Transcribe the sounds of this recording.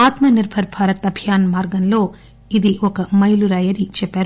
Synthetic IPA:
aːt̪mɐniɾbʱʰɐɾbʰʱaːɾɐt̪ɐbʱjaːnmaːɾɡɐnlo̞ː | id̪iɔkɐmɐjluɾɐjɐɾit͡ʃɛpːæːɾu

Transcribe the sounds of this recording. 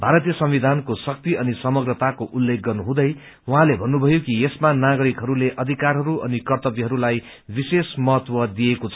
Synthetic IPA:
bʱaɾʌt̪ijʌsʌmwid̪ʱankosʌk̚t̪iʌnisʌmʌɡrʌt̪akoʔulːek̚ɡʌrnuɦũd̪ʌj | uɦãlebʱʌnːubʱʌjokiesmanaɡʌɾikɦʌɾuleʔʌd̪ʱikarɦʌɾuʔʌ̰nikʌrt̪ʌbiɦʌɾulaj | bisesmʌɦʌt̪wʌd̪ijekot͡sʰʌ

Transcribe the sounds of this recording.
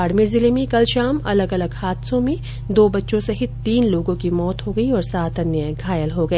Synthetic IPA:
aːɾmiːɾzɪlemĩkɐlʃaːmɐ̰ləɡɐləɡhaːt̪sõmẽ | d̪oːbɐtːʃõsɐɦit̪iːnloːɡõkimɔːt̪ɦoɡɐiɔːɾsaːt̪ʰɐnjəɡʱaːjəlɦoɡɐeː

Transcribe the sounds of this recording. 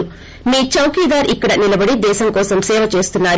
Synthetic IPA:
miːt͡ʃɐwkiːd̪aːɾʔikːɐɽɐnilɐbɐɽid̪ɛːʃɐmkɔːsɐmsɛːʋɐt͡ʃe̞ːst̪unːaːɾ

